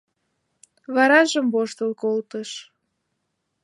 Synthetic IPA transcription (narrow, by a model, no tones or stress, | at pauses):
βɑɾɑʒəmboʃt̪əlkolt̪əʃ